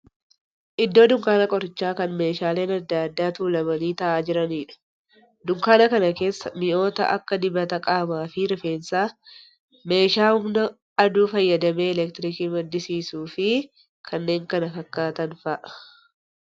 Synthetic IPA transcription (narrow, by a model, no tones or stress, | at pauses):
ʔɪd̪ːo̞ːd̪ʊŋkaːnɐkʼɔɾɪt͡ʃːaːkɐnme̞ːʃaːle̞ːnɐd̪ːaːd̪ːaːt̪uːlɐmɐniːt̪ɐʔaːd͡ʒɪɾɐniːᶑɐ̥ | d̪ʊŋkaːnɐkɐnɐke̞ːsːɐmɪʔo̞ːt̪ɐ̰ʔɐ̰kːɐd̪ɪbɐt̪ɐkʼaːmaːfɪɾɪfe̞ːnsaː | me̞ːʃaːʊmnɐ | ɐd̪uːfɐjːɐd̪ɐme̞ːɛlɛkt̪ɪɾɪkiːmɐd̪ːɪsiːsuːfɪ | kʰɐnːe̞ːŋkɐnɐkɐkːaːt̪ɐnfɐʔ